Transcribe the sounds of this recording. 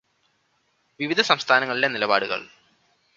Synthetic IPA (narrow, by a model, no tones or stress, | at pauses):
ʋiʋid̪ʱɐsɐmst̪ʰaːnɐŋːɐɭile̞nilɐba̰ːɽuɣɐ̰ɭ